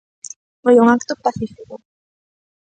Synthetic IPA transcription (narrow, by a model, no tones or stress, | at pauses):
fojuŋakt̪opaθifiko